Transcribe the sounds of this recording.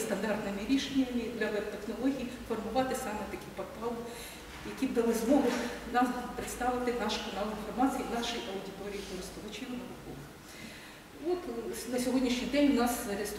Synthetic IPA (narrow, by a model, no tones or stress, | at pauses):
st̪ɐnd̪ɑrt̪nɪmiɾʲiʃenʲɐmʲid̪lʲɐt̪exnɔlˠɔɦʲijifɔrmʊʋɑt̪ɪsɑmɛt̪ɐkɪjpɔrt̪ɑlˠ | jɐkʲibd̪ɐʋɐzmɔɦʊxnɑmpɾɪt̪st̪ɑʋɪt̪ɪnɑʃkɐnɑlˠinfɔrmɑt͡sʲijinɑʃɪjʔɐwʊdʲit̪ɔɾʲijikɔɾɪst̪ʊʋɐt͡ʃʲiwnɐʋʊkɔ̰ʋɪx | ɔt̪nɐsʲɔɦɔdʲnʲiʃnʲijd̪ɛnʲwnɑszɐɾɪst̪